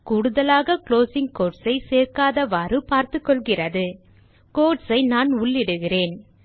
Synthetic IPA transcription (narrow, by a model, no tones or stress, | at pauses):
kuːɽʊðɐlaːɣɐkloːsɪŋkoːʈsɐɪseːrkaːðɐʋɐrɯpaːɾt̪ɯkːɔɭɣɪrɐðɯ | koːʈsɐɪnaːnʊɭːɪɽɯɣɪreːn